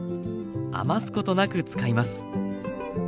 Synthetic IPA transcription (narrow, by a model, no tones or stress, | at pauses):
a̰masɨ̥ko̞t̪o̞nakɯ̟t͡sɨ̥kaimasɨ̥